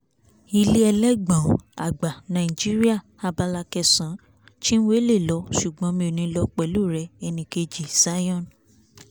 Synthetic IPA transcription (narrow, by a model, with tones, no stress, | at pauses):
i˧li˦ɛ˧lɛ˦ɡ͡bã˨a̰˨ɡ͡ba˨nã˨i˨d͡ʒi˦ɾi˦a˦˨ | a˧ba˧la˧kɛ˧sã˨˦ | ti˦ñ̩˦we˦le˦˨lɔ˨˧˦ʃu˨ɡ͡bɔ̃˨˦mĩ˧o˨nĩ˧˦lɔ˧˦k͡pɛ˨lu˦˨ɾɛ˧˦ɛ˧nĩ˧ke˧d͡ʒi˨sa˨˦jɔ̃˦˨n